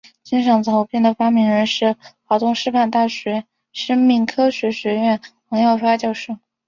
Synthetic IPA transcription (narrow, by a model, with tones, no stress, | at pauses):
t͡ɕi˥nʂɤ˧˥ŋt͡s̪ʰo˧˥ʊpʰjɛ˥˩nd̪ə˩fa˥mi˧˥ŋɻə˧˥nʂɻ̩˥˩xɑ˧˩ʊt̪ʊ˥˧ŋʂɻ̩˥˧pʰa˥˧nt̪a˥˩ɕɥɛ˧˥ | ʂə˥ŋmi˥˩ŋkʰɤ˥ɕɥɛ˧˥ɕɥɛ˧˥ɥɛ˥˩nxɤ˧˥ŋjɑ˥˩ʊfa˥t͡ɕjɑ˥˧ʊʂɻ̩˥˩ŋ